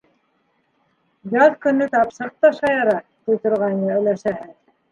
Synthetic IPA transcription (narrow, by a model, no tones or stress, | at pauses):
jɑðkɵ̆nːɘt̪ɑpʃɤ̆ɾ̚t̪ɑʃɑjɑɾɑt̪ujt̪ŏɾʁɑjnɤɵ̆læʃæhɘð